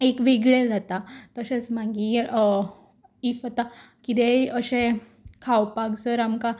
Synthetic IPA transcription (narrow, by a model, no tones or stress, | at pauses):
ekʋiɡɭed͡zat̪at̪əɕet͡smaɡi | ifət̪a | kit̪eəɕẽ | kʰawpaɡd͡zəɾamka